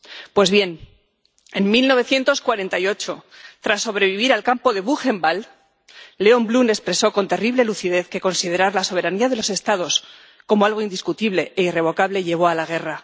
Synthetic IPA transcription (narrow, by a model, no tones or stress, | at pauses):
pwe̞zβje̞n | enmilno̞β̞e̞θje̞nt̪o̞skwaɾe̞nt̪ajo̞t͡ʃo̞t̪ɾasːo̞βɾe̞βiβiɾalkampo̞ðe̞βuxe̞mbalː | e̞o̞mblune̞kspɾe̞so̞ko̞nt̪e̞riβle̞luθiðe̞θke̞ko̞nsið̞e̞ɾaɾlaso̞β̞e̞ɾaniað̞e̞lo̞se̞st̪að̞o̞s | ko̞moalɣ̞o̞ind̪iskut̪iβle̞ʔeire̞β̞o̞kaβle̞ʎe̞β̞o̞alaɣ̞e̞ra